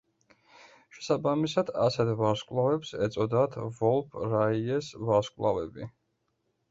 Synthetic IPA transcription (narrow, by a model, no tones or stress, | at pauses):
ʃɛ̥sabamisad̪asɛt̪ʰvaɾskʼvlˠavɛpsɛt̪sʼɔd̪at̪ʰvɔlˠpʰɾaiɛsvaɾskʼvlˠavɛbi